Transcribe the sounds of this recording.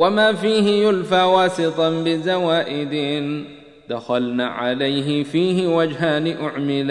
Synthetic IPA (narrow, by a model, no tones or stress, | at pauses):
wamaːfiːɦɪjʊlfaːwɑːsɪt̪ˤɑnbɪzawaːʔɪd̪ɪ | d̪axalnaːʕalajɦɪfiːɦɪwad͡ʒɦaːnɪʔʊʕmɪlː